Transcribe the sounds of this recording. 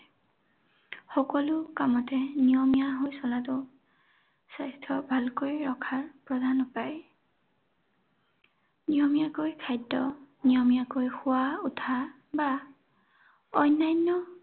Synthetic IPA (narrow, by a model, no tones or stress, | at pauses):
xɔkɔlʊkamɔtɛnijɔmijaɦojsɔlatʊ | sajstʰɔbʱalkojɹɔkʰaɹpɹɔdanɔpaj | nijɔmijakojkʰajdːɔ | nijɔmijakojxʊwautʰa | ba | ɔjnːajnːɔ